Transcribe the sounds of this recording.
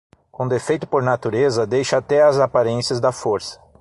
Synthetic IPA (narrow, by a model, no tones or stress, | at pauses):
kõd̪efejt̪ʊ̥poɾnat̪uɾezɐd̪ejʃɐat̪ɛɐzapaɾẽsiɐzd̪ɐfoɾsɐ̥